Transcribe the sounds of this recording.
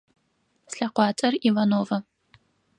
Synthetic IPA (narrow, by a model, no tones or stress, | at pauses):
sɬɐqʷɑːt͡ʃʼɐrivɐnoːvɐ